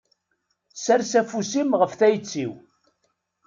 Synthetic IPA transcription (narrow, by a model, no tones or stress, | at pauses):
sæɾsæfusimʁəfθæjt͡sːiw